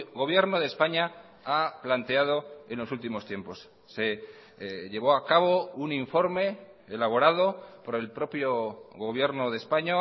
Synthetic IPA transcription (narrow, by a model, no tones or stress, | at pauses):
ɣo̞β̞je̞ɾno̞ð̞e̞spaɲa | aplant̪e̞að̞o̞e̞nlo̞sult̪imo̞st̪je̞mpo̞sː | e̞ | ʎe̞β̞o̞akaβo̞uniɱfo̞ɾme̞ː | laβ̞o̞ɾað̞o̞po̞ɾe̞lpɾo̞pjo̞ɣo̞β̞je̞ɾno̞ðe̞spaɲo